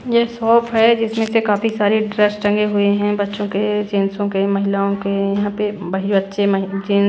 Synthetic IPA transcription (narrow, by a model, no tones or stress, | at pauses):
jesɔːpʰɦɛd͡ʒɪsmẽsekaːfisaːɾeɖɾəsʈɐ̃ŋɡeɦʊeɦɛ̃bɐtːʃõked͡ʒeːnsõkemɐɦɪlaːõkejɐɦãpebɐɦibɐtːʃemɐɦd͡ʒɪn